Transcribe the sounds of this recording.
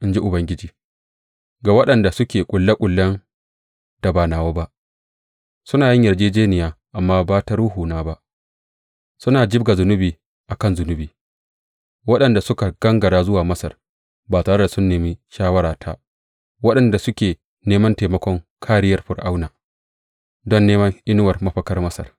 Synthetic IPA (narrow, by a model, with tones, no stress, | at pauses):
ʔɪ˦nd͡ʒi˦ʔʊ˨bɐ˦ŋɡʲɪ˦d͡ʒiː˨ | ɡa˨wɐ˦ɗɐ˨nda˨sʊ˦kʲeː˨kʷʼʊ˨lːa˦kʷʼʊ˨lːɐ˦n | d̥a˨baː˨naː˨waː˦ba˦ʔ | sʊ˦naː˨jɪ˦ɲjɐ˨rd͡ʒeː˦d͡ʒeː˦nɪ˨jaː˨ʔa˨mːaː˦baː˦ta˦ɽuː˦ɦuː˨naː˦ba˦ʔ | sʊ˦naː˨d͡ʒɪ˦b̚ɡa˨zʊ˨nʊ˦biː˨ | ʔa˨kɐ˦nzʊ˨nʊ˦biː˨ | wɐ˦ɗɐ˨nda˨sʊ˦ka˨ɡ̥ɐ˦ŋɡɐ˨ɽaː˦zʊ˦waː˨mɐ˦sɐ̰˨r | baː˨taː˨ɽɐ˦da˨sʊ˦nːeː˨mi˦ʃaː˦wɐ˦ɽaː˨tʰa˦ | wɐ˦ɗɐ˨nda˨sʊ˦kʲeː˨ | neː˦mɐ˦nteː˨mɐ˦kʷɔ˦ŋkʰaː˦ɾɪ˦jɐ˨rɸʊ˨rʔa˦wnaː˨ | dɔ˦nːeː˦mɐ˦ŋʔɪ˦nʊ˦wɐ˨rmɐ˦ɸɐ˦kɐ˦rmɐ˦sɐ̰˨r